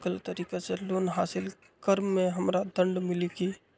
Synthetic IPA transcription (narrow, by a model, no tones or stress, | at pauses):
kəlt̪əɾiːkeseloːnɦaːsɪl | kəɾːẽɦəmɾad̪ə̃ɳɖmɪlikiː